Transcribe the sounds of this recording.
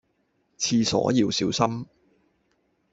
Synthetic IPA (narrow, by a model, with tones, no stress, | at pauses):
t͡sʰiː˧sɔ̰ː˨˥ji˨˧wsiː˨˥wsɐ˥m